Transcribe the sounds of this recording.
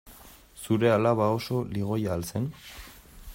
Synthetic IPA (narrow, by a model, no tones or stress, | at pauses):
suɾe̞alaβao̞so̞liɣ̞o̞jaːlse̞n